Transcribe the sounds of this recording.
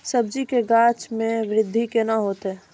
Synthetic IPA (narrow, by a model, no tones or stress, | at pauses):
səb̚d͡ʒikeɡaːt͡ʃmẽʋɾɪd̪ʱːikenaɦoːt̪eɛ